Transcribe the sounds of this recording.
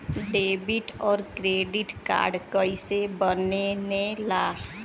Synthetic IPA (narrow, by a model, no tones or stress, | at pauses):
ɖebiʈɔːɾkɾeɖiʈka̰ɾɖkəjsebənenela